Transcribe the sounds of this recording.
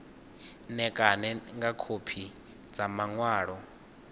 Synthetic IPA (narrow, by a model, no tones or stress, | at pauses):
nɛkʼanɛŋɡakʰopʰi | d͡zamaŋwaːɺɔ